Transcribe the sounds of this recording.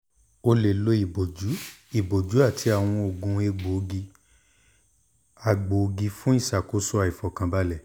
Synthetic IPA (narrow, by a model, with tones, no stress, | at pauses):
o˧le˨lo˧˦i˨bo˨d͡ʒu˨˦i˨bo˨d͡ʒu˨˦a˦˨tʰi˧a˨w̃ɔ̃˧o˨ɡũ˧e˧ɡ͡bo˨˧ɡi˧ | a˨ɡ͡bo˨˧ɡi˧fũ˦i˦˨ʃa˨ko˨˦sɔ˦a˨i˨fɔ˨kã˧ba˧˦lɛ˨